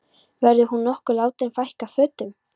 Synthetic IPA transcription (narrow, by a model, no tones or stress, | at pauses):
vɛɾðʏhunːɔhkʏlaːwt̪ɪnfajhkafœːt̪ʏm